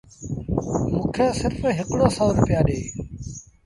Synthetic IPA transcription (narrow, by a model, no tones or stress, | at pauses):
mũːkʰeːsɪɾfɦɪkɽoːsɔːɾʊpjaːɗeː